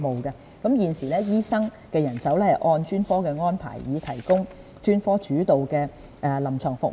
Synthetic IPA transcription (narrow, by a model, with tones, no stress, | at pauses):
mo˨wkɛ˧ | kɐ˨˥mjiː˨nsiː˨˩lɛː˥jiː˥sɐ˥ŋ | kɛː˧jɐ˨˩nsɐ˨˥wlɛː˥hɐ˨jʔɔː˧nt͡ʃyː˥nfɔː˥kɛː˧ŋɔː˥npʰa̰ː˨˩jːiː˨˧t̪ʰɐ˨˩jkʊ˥ŋ | t͡ʃyː˥nfɔː˥t͡ʃyː˨˥t̪o˨wkɛː˧ | ʔɛ˨˩lɐ˨˩mt͡sʰɔː˨˩ŋfʊ˨k̚